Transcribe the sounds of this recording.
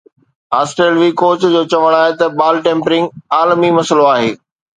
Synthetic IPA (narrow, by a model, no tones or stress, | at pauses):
aːsʈɾeːlʋikoːt͡ɕd͡ʑoːt͡ɕɐʋəɽ̃aːɦet̪ɐbaːlʈẽːmpɾɪ̃ŋɡaːlmimɐsəloaːɦeː